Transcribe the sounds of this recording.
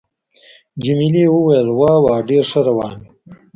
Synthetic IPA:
d͡ʒimilewəwajəlwɑːwɑːɖeɾʂəɾawɑːn

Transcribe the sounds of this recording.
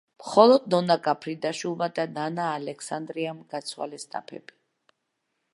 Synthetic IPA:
mχɔlˠɔd̪nɔnakʼapʰɾid̪aʃulˠmad̪ananaːlɛkʰsand̪ɾiamɡ̥at̪sʰwa̰lɛst̪ʼa̰pʰɛ̰bi̥

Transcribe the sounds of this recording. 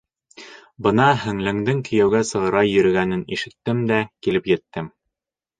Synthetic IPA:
bɤnɑɦɘ̆ŋlɘ̆ŋd̪ɘŋkɵ̆jæwɡæsɤ̆ʁɤ̆ɾɑjɵ̆ɾɘ̆ɡænɘnḭʃɘ̆t̪ːɘmd̪ækilɘpjɘ̆t̪ːɘm

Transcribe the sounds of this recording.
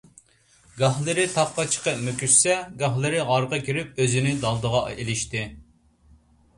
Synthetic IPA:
ɡɑhlˠɨɾɪt̪ʰɑp̚qɑt͡ʃʰə̥qəpmøkʲyssɛɡɑhlˠɨɾɪʁɑɾqɑkʲʰiɾɪp̚øzɪnɪd̪ɑlˠd̪əʁɑ̰ʔelɪʃt̪ɪ

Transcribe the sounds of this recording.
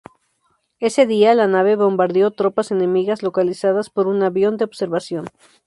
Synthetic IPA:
e̞se̞ðialanaβe̞βo̞mbaɾðjo̞t̪ɾo̞pase̞ne̞miɣazlo̞kalisaðaspo̞ɾunaβjo̞nd̪eoβse̞ɾβasjo̞n

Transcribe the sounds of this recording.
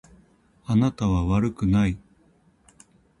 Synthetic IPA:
anat̪aβaβaɾɯ̟kɯ̟nai

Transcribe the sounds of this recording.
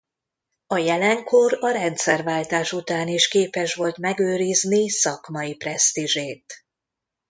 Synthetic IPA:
ɒjɛlɛŋkʰo̞rɒɾɛnt̪sɛrvaːlt̪aːʃut̪aːniʃkeːpɛʃʋo̞lt̪mɛɡøːɾiznisɒkmɒiprɛst̪iʒeːt̪

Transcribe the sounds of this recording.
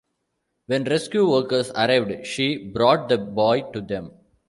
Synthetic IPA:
ʋɛ̃nɾɛskjuːʋəːɾkəɾsɐɾaɪʋɖʃiːbɾɔːʈ̚d̪əbɔːɪʈud̪ɛ̃m

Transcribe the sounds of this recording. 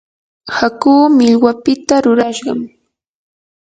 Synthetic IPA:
hakuːmɪʎwapɪt̪aɾʊɾaʃɢɑm

